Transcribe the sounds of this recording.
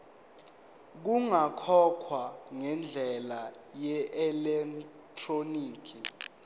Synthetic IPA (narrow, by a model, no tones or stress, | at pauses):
k̬uŋakʰɔkʰwaŋɛnd͡ɮʱɛlajɛʔɛlɛk | tʰroniːkʰi